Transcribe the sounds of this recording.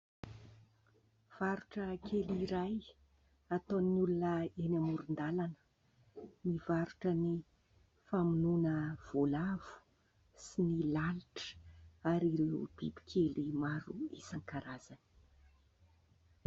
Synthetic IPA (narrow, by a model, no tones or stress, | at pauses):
v̥aɾuʈ͡ʂəkʰeliɾaj | at̪onulunəenamuɾund̪alanə̥ | nivaɾuʈ͡ʂəni | famununəv̥olav̥u̥ | sinilaliʈ͡ʂə̥aɾiɾewb̥ḭbi̥kʰʲelimaɾṵḭsaŋkaɾaz̥ani̥